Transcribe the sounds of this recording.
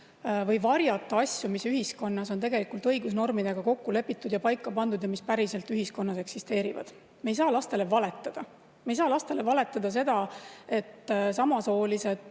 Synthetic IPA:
vɤ̞jvɑrjɑt̪ːˑɑɑsʲjumisyɦisko̞nːɑso̞nt̪e̞ɡe̞likˑult̪ɤjɡusno̞rmid̪̥e̞ɡ̥ɑko̞kːule̞pːit̪ːˑud̪̥jɑpɑjkːˑɑpɑnd̪̥ud̪jɑmispæɾise̞lt̪yɦisko̞nːɑse̞ksist̪e̞ːɾivɑ̰d̪̥ | me̞js̬ɑːlɑst̪e̞le̞vɑle̞t̪ːˑɑd̪̥ɑ | mejs̬ɑːlɑst̪e̞le̞vɑle̞t̪ːˑɑd̪̥ɑs̬e̞d̪̥ɑe̞t̪ːsɑmɑso̞ːlise̞d̪̥

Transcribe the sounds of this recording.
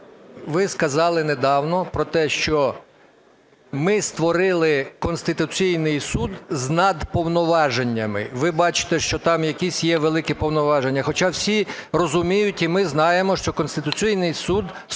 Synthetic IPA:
ʋɪskɐzɑlˠɪned̪ɑwnɔpɾɔt̪ɛʃt͡ʃɔ | mɪst̪ʋɔɾɪlˠɪkɔnst̪ɪt̪ʊt͡sʲijnɪjsud̪znɐd̪pɔwnɔʋɑʒenʲːɐmɪ̰ʋɪbɑt͡ʃɪ̥t̪ɛʃt͡ʃɔt̪ɑmjɐkʲisʲjɛʋelˠɪkɪpɔwnɔʋɑʒenʲːɐxɔt͡ʃɑwsʲirɔzʊmʲijʊtʲimɪznɑjemɔʃt͡ʃɔkɔnst̪ɪt̪ʊt͡sʲijnɪjsud̪

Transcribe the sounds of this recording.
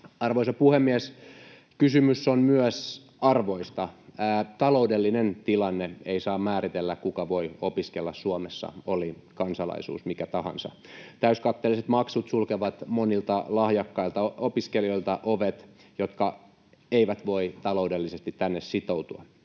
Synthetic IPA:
ɑrʋoisɑpuhemːiæs | kysymysːonmyœs | ɑrʋoist̪ɑːt̪ɑloudelːinent̪ilɑnːeeisɑːmmæːɾit̪elːækkukɑʋoiopiskelːɑssuomesːɑ̰olikɑnsɑlɑ̰isṵːsmikæt̪ɑhɑ̰nsɑ̰ | t̪æyskɑt̪ːeliset̪mɑksut̪sulkeʋɑt̪monilt̪ɑlɑhjɑkːɑilt̪ɑopiskelioilt̪ɑʔoʋet̪ | jot̪kɑ | eiʋæt̪ʋoit̪ɑloudelːisest̪it̪tænːessit̪out̪uɑ̰

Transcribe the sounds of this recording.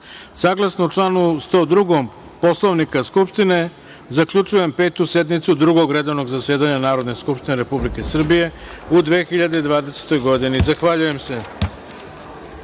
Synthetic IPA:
saːɡlasnout͡ʂlanust̪oːd̪ɾuɡom | po̞slˠoʋnikaskupʂt̪ine̞ | zakʎut͡ʃuje̞mpe̞ːt̪used̪mit̪sud̪ɾuɡo̞ɡɾed̪o̞ʋno̞ɡzase̞ːd̪aɲanaːɾo̞d̪ne̞skupʃt̪ineɾe̞publike̞sr̩bije̞ud̪ʋexiʎad̪e̞id̪ʋaːd̪e̞se̥t̪o̞jɡo̞d̪inizaxʋaʎuje̞mse̞

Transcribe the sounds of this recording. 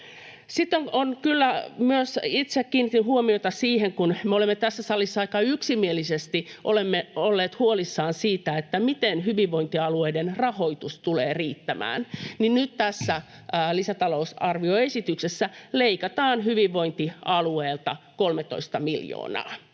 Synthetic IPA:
sit̪ːoŋonkylːæmyøsit̪sekːiːnːit̪inhuomiot̪ɑsiːheŋkunmeolemːet̪æsːæsɑlːisːɑikɑyksimielisest̪iʔolemːeolːeːt̪huolisːɑːnsiːt̪æet̪ːæmit̪enhyʋiʋʋoint̪iɑlueidenrɑhoit̪ust̪uleːriːt̪ːæmæ̰ːnninnyt̪t̪æsːæː | lisæt̪ɑlousɑrʋioesit̪yksesːæleikɑt̪ɑːnhyʋiʋːoint̪iɑlueːlt̪ɑkolmet̪o̰ist̪ɑmiljo̰ːnɑ̰ː

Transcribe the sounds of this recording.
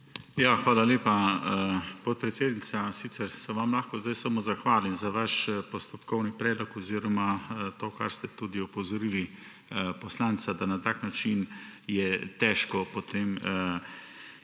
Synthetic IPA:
jaːxʋaːlaleːpa | pot̪̚pɾɛt̪seːd̪nit̪sasit̪sɛɾsɛʋamlaːxkɔzd̪ajsəmozaxʋaːlimzaʋaʃpɔst̪ɔpkɔwnipɾɛːd̪lɔkɔziːɾɔmat̪oːkaɾst̪ɛt̪ud̪iɔpɔzɔɾili | pɔslaːnt̪sad̪anat̪aːknat͡ʃinjɛt̪ɛːʃkɔpɔt̪ʰeːm

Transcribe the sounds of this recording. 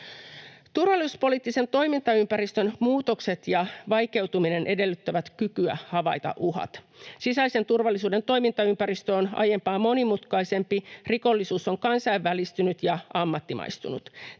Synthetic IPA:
t̪urʋɑlːˑisuspo̞liːt̪ːise̞nt̪o̞jmint̪ɑympæɾist̪ønmuːt̪o̞kse̞t̪jɑʋɑjke̞wt̪umine̞nʔe̞de̞lːyt̪ːæʋæt̪kykyæ̰hɑʋɑjt̪ɑ̰ʔuɦɑ̰t̪sisæise̞nt̪urʋɑlːisuːde̞nt̪o̞jmint̪ɑympæɾist̪øonɑ̰je̞mpɑːmo̞nimut̪kɑise̞mpiriko̞lːisuːso̞ŋkɑnsɑjʋːælist̪ynyt̪jɑʔɑmːɑt̪ːimʔɑ̰jst̪unut̪

